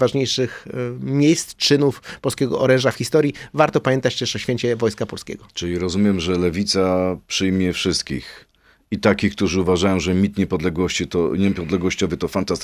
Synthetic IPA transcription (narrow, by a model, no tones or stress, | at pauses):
vaʐɲejʂɘxmʲjejst̪t͡ʂɘnufpɔlskʲɛɡɔʔɔɾɛ̃ʐafxʲist̪ɔɾʲjivaɾt̪ɔpamʲɛnt̪at͡ɕt̪ɛʂɔɕfʲeɲt͡ɕɛvɔjskapɔlskʲɛ̰ɡɔt͡ʂɘlʲiɾɔzumʲjɛmʐɛlɛvʲit̪sapʂɘjmʲjɛfʂɘst̪̚kʲḭx | it̪akʲixk̚t̪uʐɘuvaʐajɔ̃w̃ʐɛmʲit̪ɲɛpɔd̪lɛɡwɔɕt͡ɕit̪ɔɲɛpɔd̪lɛɡwɔɕt͡ɕɔvɘt̪ɔfant̪ast̪